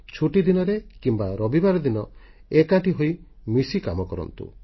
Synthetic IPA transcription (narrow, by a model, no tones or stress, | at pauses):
t͡ʃʰuʈid̪inɔɾekimbaɾɔbibaɾɔd̪inɔ | ekaʈiɦoj | misikamɔkɔɾɔ̰nt̪ṵ